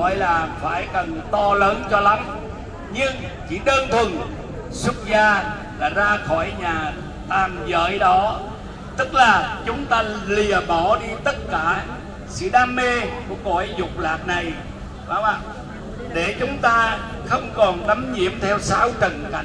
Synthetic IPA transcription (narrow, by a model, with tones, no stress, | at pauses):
ɔ̰˧˨jlaː˨˩faː˧˩jkə˨˩nt̪ɔ˧ləː˨˦nt͡ɕɔ˧la˨˦m | ɲɨ˧ŋ | t͡ɕḭ˧˩ɗəː˧nt̪ʰwə˨˩n | swə˦˥t̚zaː˧ | laː˨˩zaː˧xɔ˧˩jɲaː˨˩ | t̪aː˨˩mzə̰ː˧˨jɗɔ˨˦ | t̪ɨ˦˥k̚laː˨˩t͡ɕʊ˨˦ŋ͡mt̪aː˧li˨˩əɓɔ˧˩ɗi˧t̪ə˦˥t̚kaː˧˩ | sɨ̰˧˥ɗaː˧mːe˧ku˧˩əkɔ˧˩˦jzʊ˨˩k͡p̚laː˨˩t̚na˨˩j | ɓaː˨˦waː˨˩ | ɗe˧˩t͡ɕʊ˨˦ŋ͡mt̪aː˧ | xə˧wŋ͡mkɔ˨˩nɗa˨˦mɲḭ˧˩əmt̪ʰɛ˧wsa˨˦wt͡ɕə˨˩nka̰˧˩˨